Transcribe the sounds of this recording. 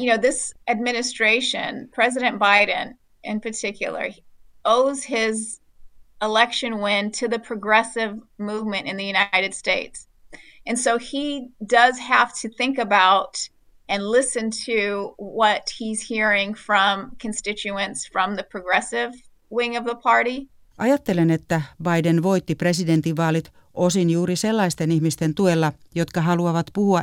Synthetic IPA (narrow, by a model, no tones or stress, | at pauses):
jɨnoʊðɪsʔɨd̚mɪ̃nɨstɹ̥eɪʃɨ̰̃npʰɹ̥ɛzɨɾɨ̃nb̥aɪd̃ⁿn̩ | ʔɪ̰̃npʰə˞tʰɪkʰjl̩ˠə̰˞ | oʊz̥ɪz | əlɛkʃɨ̃nwɪ̃ntʰɨðɨpʰɹ̥ɨɡɹɛsɪvmuvmɨ̃ɾ̃ɨ̃nðɨjʉɾnaɪɾɨd̥steɪts | ɨ̃nsoʊidʌz̥hæftʰɨθɪ̃ŋkɨbaʊɾ | ɨ̃nlɪsɨ̃ntʰɨwʌt̚hiz̥hiɹɪ̃ŋfɹʌ̃mkʰɨ̃nstɪt͡ʃʉɨ̃nsfɹʌ̃mðɨpʰɹ̥ɨɡɹɛsɪv | wɪ̃ŋʌvðəpʰɑɹɾi | ʔɑjɑt̪ːe̞lenet̪ːæbɑjdenʋo̞jt̪ːipre̞side̞nt̪iʋːɑːlit̪ | ʔosinjuːɾiselːɑist̪e̞nihmist̪e̞nt̪uelːɑjo̞t̪kɑɦɑluɑʋɑt̪puhuɑ